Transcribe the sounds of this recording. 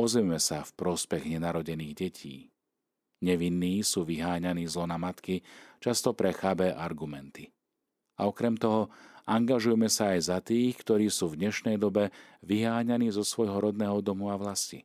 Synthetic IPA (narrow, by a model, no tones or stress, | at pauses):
pɔzɛmmɛsafpɾɔspɛɣɲɛnaɾɔɟɛniːɣɟɛcʰḭː | ɲɛʋinːiːsuːʋiɦaːɲaniːzlɔnamat̪kit͡ʃast̪ɔpɾɛxabɛʔaɾɡumɛnt̪i | a̰ɔkɾɛmt̪ɔɦɔaŋɡaʒujɛmɛsaːjzat̪iːxkt̪ɔɾiːsuːvd̪ɲɛʃnɛjd̪ɔbɛʋiɦaːɲaniːzɔsʋɔjɦɔɾɔd̪nɛːɦɔd̪ɔmuaʋlasci